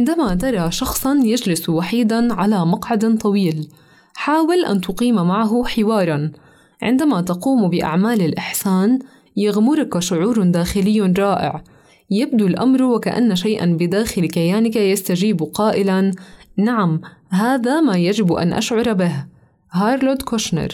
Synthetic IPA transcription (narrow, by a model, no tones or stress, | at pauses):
ʕɪnd̪amat̪ɑɾˤɑʃɑxsˤɑnjad͡ʒlɪswaħiːd̪anʕalamɑqʕad̪t̪ˤɑwiːl | ħaːwɪlʔa̰nt̪ʊqiːmamaʕaɦʊħɪwɑːɾˤɑn | ʕɪ̰nd̪amat̪aquːmbɪʔa̰ʕmaːlɪlʔɪħsaːn | jaɣmʊɾˤkaʃʊʕuːɾʊnd̪aːxɪlɪjːaɾˤɑːʔɪ̰ʕ | jab̚d̪ulʔa̰mɾˤwɪkaʔa̰nːaʃajʔa̰nbɪd̪aːxɪlkajaːnɪkajast̪ad͡ʒiːbuqɑːʔɪlannaʕamɦaːðamajad͡ʒɪbʔa̰nʔa̰ʃʕʊɾˤbɪh | haːɾˤlod̪koʃnɑ̰ɾˤ